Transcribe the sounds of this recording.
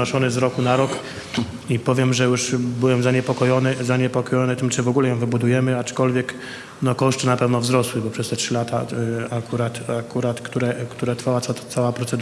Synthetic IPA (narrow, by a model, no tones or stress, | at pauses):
ɔʂɔnɘzɾɔkunaɾɔk | ipɔvʲjɛmʐɛjuʂbɘwɛmzaɲɛpɔkɔjɔnɘzaɲɛpɔkɔjɔnɘt̪ɘmt͡ʂɘvɔɡulɛjɔ̃w̃vɘbud̪ujɛmɘat͡ʂkɔlvʲjɛk | nɔkɔʂtɘnapɛvnɔvzɾɔswɘbɔpʂɛst̪ɛtʂɘlat̪aakuɾat̪akuɾat̪kt̪uɾɛkt̪uɾɛt̪ɾfawat̪sat̪at̪sawapɾɔt̪sɛd̪